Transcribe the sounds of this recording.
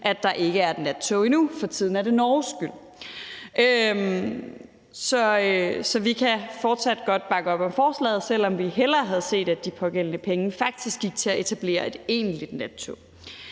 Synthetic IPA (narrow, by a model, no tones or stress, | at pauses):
ʔæd̥ɑ̈ʔe̝ɡ̥əæɐd̥næ̥t͡sʰo̝inufɒ̽t͡sʰið̞̰ˠn̩æɾ̥e̝nɒːsɡ̥yl̰ | ʔøm | sɒ̽øsɒ̽ʋikʰæfɒːd̥sæd̥̚ɡ̥ɒ̽d̥b̥ɑ̈ɡ̥əɒ̽b̥ɒ̽mfɒːslɛ̰ːð̩ˠsel̰ɒ̽mʋiɦel̰ɐɦæð̞ˠse̝̰ːd̥æd̥ipʰɒ̽ɡ̥elnəpʰeŋəfɑ̈ɡ̥̚d̥isɡ̥ːiɡ̥̚t͡sʰe̝æʔe̝t͡sʰæb̥le̝̰ːɐe̝d̥e̝̰ːnlid̥næt͡sʰo̝